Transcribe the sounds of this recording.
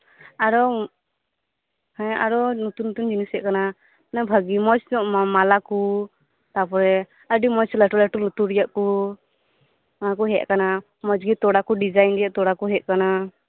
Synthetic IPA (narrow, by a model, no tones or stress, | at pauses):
aɾɔ | hɛ̃a̰ɾɔnut̪unːut̪und͡ʒinisɛʔkana | nabʱəɡimɔt͡ʃdɔmalaku | t̪apɔɾɛ | əɖimɔt͡ʃlaʈulaʈulɔt̪uɾijaʔku | manak̬uɦɛʔ̚kana | mɔd͡ʒɡit̪ɔɽakuɖid͡ʒajnɖijaʔt̪ɔɽakuɦɛʔ̪̚kana